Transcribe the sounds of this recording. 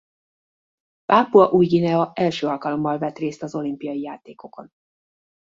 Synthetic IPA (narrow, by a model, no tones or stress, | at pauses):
paːpuɒʔujɟinɛɒʔɛlʃøːɒlkɒlo̞mːɒlvɛt̪reːst̪ɒzo̞limpijɒjijaːt̪eːko̞ko̞n